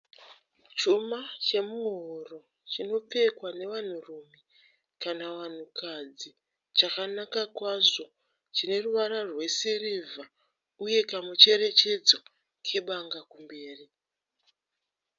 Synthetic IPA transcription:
t͡ʃumat͡ʃe̞muɦoro̞ | t͡ʃino̞p͡fe̞kwane̞ʋan̤urume | kanaʋan̤ukad͡zi | t͡ʃakanakakwaʐo̞ | t͡ʃine̞ruʋaɾarwe̞sirivʱa | uje̞kamut͡ʃe̞ɾe̞t͡ʃe̞d͡zo̞ | kʰe̞ɓaŋɡakumbe̞ːri

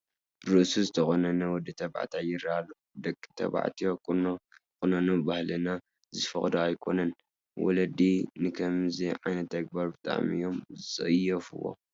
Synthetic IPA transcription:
bɾɨʔsuzɨt̪ʰɐxonɐnɐwd̪ɨt̪ʰɐba̰ʕt̪ʰajɪɾalːu | d̪ɐkʼːt̪ʰɐ̰βa̰ʕt̪ʰijokʼnokʼɨnɐnubahlɨna | zɨfɐxd̪oajkʰo̞̰nɐn | wɔ̰lɐd̪inɨkʰɐmziʕa̰jnɐt̪ːɐɡ̚baɾbɨt̪ʼa̰ʕmɨ̰jo̞mzɨt͡sʼɨjɐfɨ̰wo̞̰

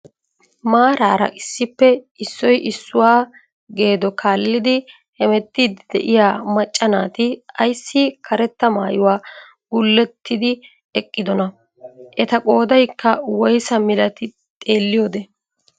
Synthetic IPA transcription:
maːɾaːɾɐ̰ʔɪsːɪpːɛ | ɪsːɔjʔɪsːʊwaː | ɡe̞ːd̪ɔkʰaːlːɪd̪ɪ | hɛmɛt̪ːid̪ɪd̪ɛ̰ʔɪjaːmɐt͡ʃʼːɐnaːt̪ɪɐjsːɪkʰɐɾɛt̪ːɐmaːjʊwaː | ɡ̥ʊlːɛt̪ːɪd̪ɪ | ɛkʼːɪd̪ɔnɐ | ʔɛt̪ɐkʼo̞ːd̪ɐjkːɐwɔjsɐmɪlɐt̪ɪ | t̪ʼe̞ːlːɪjo̞ːd̪ɛ

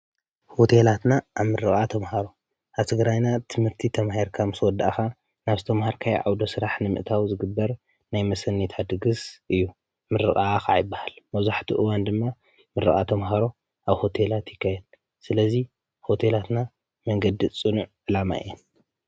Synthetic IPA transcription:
ho̞t̪ʰelat̪naʔaβmɨɾɨkʼat̪ʰɐmhaɾo | ʔaβt̪ʰɨɡɾajnat̪ʰɨmhɨɾt̪ʰit̪ʰɐmahiɾkʰamɨswɔd̪ːa̰ʔxa | naβzɨt̪ʰɐmhaɾkʰaj̰ʕawd̪o̞sɨɾaħnɨmɨ̰ʔt̪ʰawzɨɡɨbːɐɾ | najmɐsɐnːit̪ʰad̪ɨɡɨsʔɨjːu | mɨɾɨχʼakajɪbːahalmɐβzaħt̪ʰuʔɨwand̪ɨmːa | mɨɾɨ̰ɣʼa̰t̪ʰɐmɦaɾo | ʔaβho̞t̪ʰelat̪jɪkʰːahed̪̚ | sɨlɐzi | ho̞t̪ʰelat̪na | mɐŋɡɐd̪it͡sʼɨnuʕʕɨlama̰ɨ̰jɛn

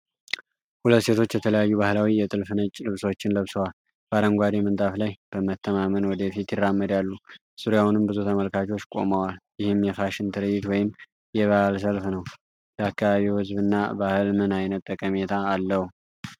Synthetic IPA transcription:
hulət̪ːse̞t̪ʰo̞t͡ʃːjɛt̪ʰələjajːuβahlawijɛt̪ʼɨlfɨnət͡ʃʼːlɨβswot͡ʃːɪnləβsəwal | b̥aɾəŋɡʷad̪emənt̪ʼaflajb̥əmət̪ʰːəmamənwɔd̪əfit̪jɪrːamːəd̪jalːu | suɾjawunɨmbɨzut̪ʰəməlkʰat͡ʃo̞t͡ʃːkʼo̞̰məwaljɪhɨmːjɛfaʃɪnt̪ʰɨɾɨjɪt̪wɔjɪm | jɛβahls̬əlfnəw | bəakːaβaβihɨzbɨnːa̰bahɨlmɨnajnət̪ʼːəkʼəmet̪ʰaːlːəhu

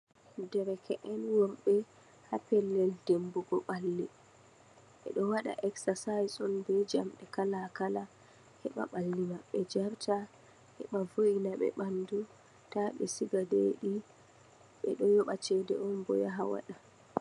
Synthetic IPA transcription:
dɛɾɛkɛʔɛnwɔɾɓɛ | hapɛlːɛldembuɡɔɓalːɛ | ʔɛ̰ɗɔwaɗa̰ʔɛksasajsɔnbɛd͡ʒamɗɛkalakala | hɛɓa̰ɓalːimaɓɛd͡ʒaɾta | hɛ̰ɓavojinaɓɛ̰ɓandu | taɓɛ̰siɡadeɗi | ɓɛ̰ɗɔjɔɓat͡ʃɛdɛ̰ʔɔnbɔ̰jaɦawa̰ɗa

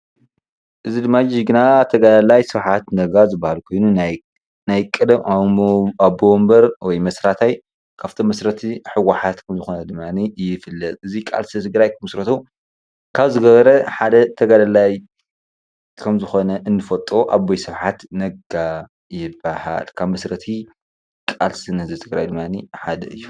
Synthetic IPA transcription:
ʔɨzid̪ɨmːad͡ʒiɡɨnat̪ʰɐɡadalajsɨβħat̪nɐɡazɨbːahalkʰo̞jnun | najkʼɨd̪ɐm | abombɐɾwɔjmɐsɾat̪ʰaj | kʰaβt̪ʰomːɐsɾɐt̪ʰiħɨɡaħat̪kʰɐmzɨxo̞nɐd̪ɨmːanijɪfɨlːɐt̪ʼɨzikʼa̰lst̪ʰɐt̪ʰɨɡɾajkʰɐmɨsɾɐt̪ʰu | kʰaβzɨɡɐβɐɾɐħad̪ɐt̪ʰɐɡad̪ɐlaj | kʰɐmzɨxo̞nɐʔɨnːɨfɐt̪ʼoʔaβːojsɨβħat̪nɐɡa | jɪbːaha̰lkʰaβmɐsɾɐt̪ʰi | kʼalsɨnɐzɨt̪ʰɨɡɾajd̪ɨmːaniħad̪ɐ̰ɨjːu

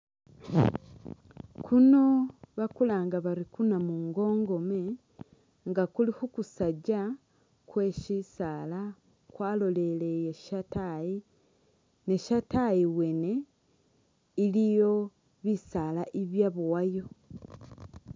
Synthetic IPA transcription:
kʰuno̞βakulaːŋɡaβaɾikunamuŋɡo̞ːŋɡo̞me | ŋɡakulihukusaɟa | kwe̞ʃisaːla | kwaːlo̞le̞lejeʃatai | ne̞ʃatajiwe̞ne̞ | ilijo̞ | βisaːlaʔiβjaβuwajo̞

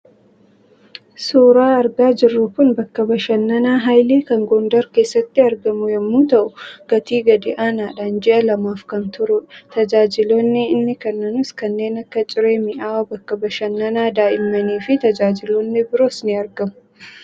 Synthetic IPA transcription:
suːɾaːɐɾɡaːd͡ʒɪrːʊkʊnbɐkːɐbɐʃɐnːɐnaːɦajliːkɐŋɡɔnd̪ɐɾke̞ːsːɐt̪ːɪɐɾɡɐmʊjɛmːuːt̪ɐʔʊɡ̥ɐt̪iːɡɐd̪ɪʔaːnaːᶑaːnd͡ʒɛʔɐlɐmaːfkɐnt̪ʊɾʊt̪ɐd͡ʒaːd͡ʒɪloːnːɪɪnːɪkɐnːɐnʊskɐnːe̞ːnɐkːɐt͡ʃʼɪɾe̞ːmɪʔaːwɐbɐkːɐbɐʃɐnːɐnaːd̪aːʔɪmːɐniːfɪt̪ɐd͡ʒaːd͡ʒɪloːnːɪbɪɾoːsnɪɐɾɡɐmʊ̥

